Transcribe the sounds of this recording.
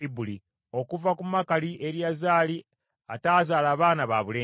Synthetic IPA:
ibuli | o̞kuvakumakaliʔe̞ɾiazaːli | ataːzaːlaːβaːnaβaːβuleː

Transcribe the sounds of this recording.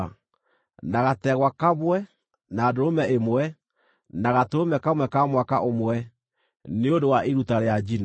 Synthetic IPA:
naɣatɛɣwakaβwɛ | naːdoɾomɛemwɛ | naɣatoɾomɛkamwɛkamwakaʔomwɛ | neondowaʔeɾutaɾead͡ʒina

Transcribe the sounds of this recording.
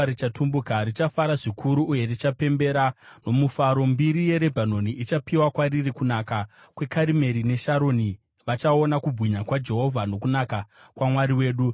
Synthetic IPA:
ɾit͡ʃatʰumbukaɾit͡ʃafaɾaʐikʰuɾuʔːje̞rit͡ʃape̞mbe̞ɾano̞mufaɾo̞mbiɾije̞ɾe̞bʱano̞niʔit͡ʃapiwakwaɾirikunaka | kwe̞kaɾime̞ɾine̞ʃaɾo̞ːni | ʋat͡ʃao̞nakubʱɣiɲakwad͡ʒe̞ɦo̞vʱano̞kunakakwamwaɾiwe̞ːɗu

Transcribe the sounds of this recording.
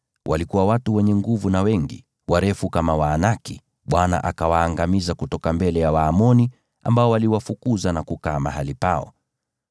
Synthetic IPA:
wʔalikuwawatuwɛɲɛŋɡuvunawɛŋɡḭ | waɾɛfukamawaːnaki | ɓwana̰ʔakawaːŋɡamizakutɔkambɛlɛjawaːmɔni | a̰mbaɔwaliwafukuzanakukaːmaɦalipaɔ̰

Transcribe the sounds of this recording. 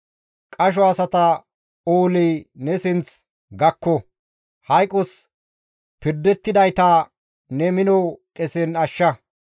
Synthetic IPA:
kʼɐʃ̬ɔɐsɐt̪ɐ | oːlinɛsɪnt͡s | ɡɐkːɔ | hɐjkʼʊs | pɪɾd̪ːɛt̪ːɪd̪ɐjt̪ɐ | nɛmɪnɔwkʼɛsɛnɐʃːɐ

